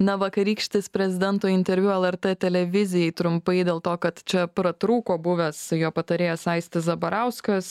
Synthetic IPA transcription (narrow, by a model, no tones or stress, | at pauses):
nɐʋɐkɐɾʲiːkʃʲt̪ʲeːspʲɾʲɛzʲɪd̪ʲɛnt̪oːɪnʲt̪ʲɛɾʲʋʲʊɛlˠɛɾt̪ɛːt̪ʲɛlʲɛʋʲɪzʲɪjɛɪt̪ɾʊmpɐɪd̪ʲeːlˠt̪oːkɐt̪t͡ʃʲɛpɾɐt̪ɾuːkoːbʊʋʲɛsjoːpɐt̪ɐɾʲeːjɛsɐɪsʲt̪ʲɪsɐbɐɾɑˑʊskɐs